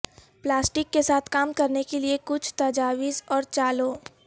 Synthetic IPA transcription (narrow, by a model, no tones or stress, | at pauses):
plaːsʈɪkːesaːt̪ʰkaːmkɐɾnekeliekʊt͡ʃʰt̪ɐd͡ʒaːʋiːzɔːɾt͡ʃaːloː